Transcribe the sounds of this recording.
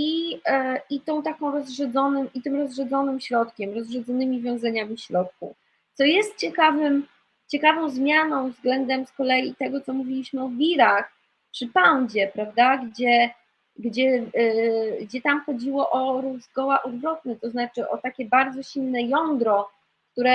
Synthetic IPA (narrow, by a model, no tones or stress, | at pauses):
i | it̪ɔ̃w̃t̪akɔ̃w̃ɾɔzʐɛd̪zɔnɛmʔit̪ɘmɾɔzʐɛd̪zɔnɘmɕɾɔt̪kʲɛmɾɔzʐɛd̪zɔnɘmʲivʲjɔ̃w̃zɛɲamʲiɕɾɔt̪̚kṵ | t̪sɔjɛst̪̚t͡ɕɛkavɘm | t͡ɕɛkavɔ̃w̃zmʲjanɔ̃w̃vzɡlɛnd̪ɛmskɔlɛjit̪ɛɡɔt̪sɔmuvʲilʲiɕmɘɔvʲiɾax | pʂɘpawd͡ʑɛpɾavd̪aɡd͡ʑɛ | ɡd͡ʑɛ | ɡd͡ʑɛt̪amxɔd͡ʑiwɔʔɔɾɔvzɡɔwaʔɔd̪vɾɔt̪̚nɛt̪ɔznat͡ʂɘʔɔ̰t̪akʲɛbaɾd̪zɔɕilnɛjɔnd̪ɾɔ | k̚t̪uɾɛ